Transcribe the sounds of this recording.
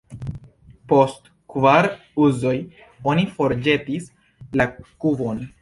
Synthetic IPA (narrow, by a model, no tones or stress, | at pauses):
po̞st | kvaɾ | uzo̞j | o̞nifo̞ɾd͡ʒe̞tis | lakubo̞n